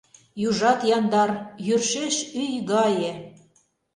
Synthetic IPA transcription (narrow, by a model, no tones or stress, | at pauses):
juʒɑt̪jɑnd̪ɑrjyrʃeʃyjɣɑjĕ